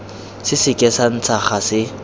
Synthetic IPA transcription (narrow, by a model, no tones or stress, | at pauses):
sɪsɪkʼɛsan̩t͡sʰaχasɪ